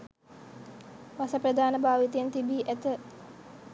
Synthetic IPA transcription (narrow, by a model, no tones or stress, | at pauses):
ʋasəprəd̪aːnəbaːʋit̪əjent̪ibiːʔæt̪ə